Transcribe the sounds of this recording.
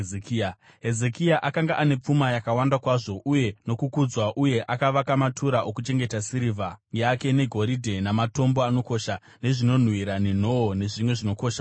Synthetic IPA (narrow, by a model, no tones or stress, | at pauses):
eki | ɦe̞ze̞kiaʔakaŋɡaʔane̞p͡fumajakawandakwaʐo̞ʔuje̞no̞kukud͡zwaʔuje̞ʔakaʋakamatʰuɾaʔokut͡ʃe̞ŋɡe̞tasiɾivʱajake̞ne̞ɡʱo̞ɾidʱe̞namato̞mbo̞ano̞ko̞ʃa | ne̞ʐino̞n̤wiɾanin̤o̞one̞ʐimwe̞ʐino̞ko̞ːʃa